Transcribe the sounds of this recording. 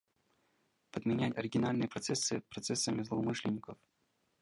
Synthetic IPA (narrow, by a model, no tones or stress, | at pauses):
pəd̪mʲɪnʲætʲɐɾʲɪɡʲɪnalʲnɨjəpɾɐt̪sɛsːɨpɾɐt̪sɛsːəmʲɪzlˠəʊmɨʂlʲɪnʲːɪkəf